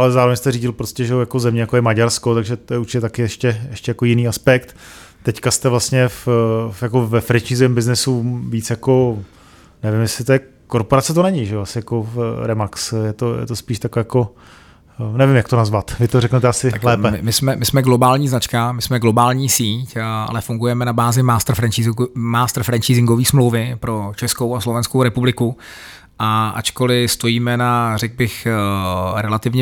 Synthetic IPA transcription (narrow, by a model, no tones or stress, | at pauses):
ʔalɛzaːɾovɛɲɛst̪ɛɾiːɟɪlpɾoscɛʒɛojakozɛmɲɛjakojɛmaɟaɾsko̞t̪aɡʒɛt̪ojɛuɾt͡ʃɪcɛt̪akɪɛʃcɛjɛʃcɛjakojɪniːaspɛkt̪t̪ːɛckast̪ɛvlast̪ɲɛfjako̞vɛfɾɛt͡ʃɲizɛmbɪznɪsuviːt͡sjako̞ | nɛvɪmjɛslɪt̪ojɛ | koɾpoɾat͡sɛt̪onɛɲɪʒɛoasɪjako̞fɾɛmaksjɛt̪ojɛ̰t̪ospiːʃt̪akɛjako̞ | nɛvɪmjakt̪onazvat̪vɪt̪oɾɛknɛt̪ɛasɪalɛːɛɪmɪsmɛmɪsmɛɡlo̞baːlɲiːznat͡ʃkamɪsmɛɡlo̞baːlɲiːsiːcʔa̰lɛfuŋɡujɛmɛnabaːzɪmaːst̪rfɾɛnt͡ʃimaːst̪ɾ̩fɾɛnt͡ʃizɪŋɡo̞viːsmlowvɪpɾo̞t͡ʃɛskowaslovɛnskowɾɛpublɪku | ʔaʔa̰t͡ʃko̞lɪst̪o̞jiːmɛnarɛɡ̚bɪx | ɾɛlat̪ɪvɲɛ